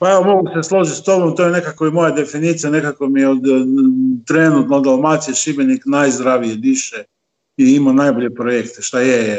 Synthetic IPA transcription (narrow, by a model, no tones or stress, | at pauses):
paeʋo̞mo̞ɡuseslˠoʒit̪st̪o̞bomt̪ojene̞kakoimo̞jad̪e̞finiːt̪sijanekakomijeod̪ | t̪ɾenut̪nod̪almat̪sijeʃibeniknajzd̪ɾaʋijed̪iʃe | iimanajboʎepɾojekt̪eʃt̪aje